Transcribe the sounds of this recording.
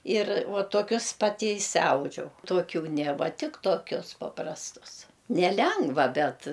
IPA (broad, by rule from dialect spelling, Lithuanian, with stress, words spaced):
iːr ʋuɔ tuɔˈkʲʊs ˈpɑːtʲɪ ɪʃʲsʲɪˈɐʊd͡ʒʲɛʊ tuɔˈkʲuː nʲeː ˈʋɐ ˈtʲɪk toːˈkʲʊs pɐprɐsˈtʊs nʲɛˈlʲɛŋɡʋɐ ˈbʲɛt